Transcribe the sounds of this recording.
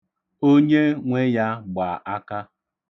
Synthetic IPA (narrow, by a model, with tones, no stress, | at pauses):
o˦ɲe˦ŋʷe˦ja˦ɡ͡ba˨ʔa˦ka˦